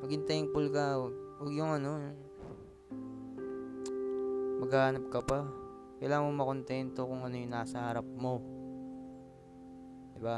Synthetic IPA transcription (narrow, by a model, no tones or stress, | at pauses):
mɐɡɪnt̪ɐɪŋpʊlkaowɐɡjʊŋɐno̞jʊ | mɐɡaːɐnɐp̚kɐpa | kɐjlaːŋɐŋmomɐko̞nt̪ɛnt̪o̞kʊŋɐno̞jʊŋnaːsɐhɐɾap̚mo̞ | d̪ɪba